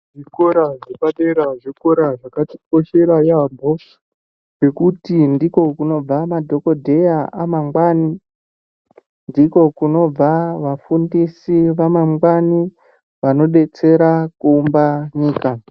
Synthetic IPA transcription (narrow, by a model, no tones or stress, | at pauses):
ʐikoɾaʐepaɗeɾaʐikoɾaʐakati̥k̚o̞ʃe̞ɾajambo | be̞kutindiko̞kuno̞b͡vamadʱo̞ko̞dʱe̞jaamaŋɡwaːni | ndiko̞kuno̞b͡vaʋafundisiʋamaŋɡwani | ʋano̞ɗe̞t͡se̞ɾakuːmbaɲiːka